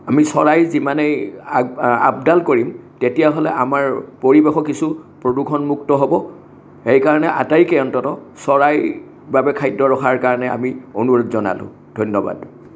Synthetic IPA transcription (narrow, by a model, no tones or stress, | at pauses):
amisɔɹajzimanej | a̰b̚dalkoɹimtetijaɦolɛ̰ʔamaɹpoɹibexɔkːisupɹodukʰɔnmuktɔɦobɔ | hejkaɹɔnɛʔa̰tajkɛjɔntɔtɔsɔɹaj | babɛkʰajdɔɹɔxʰaɹkaɹɔnɛa̰mionuɹɔtzɔna̰lʊ̰̃ | d̥ʱɔjnɔba̰d